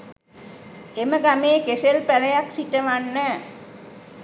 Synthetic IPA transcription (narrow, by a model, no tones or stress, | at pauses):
eməɡameːkeselpæləjaksiʈəʋanːə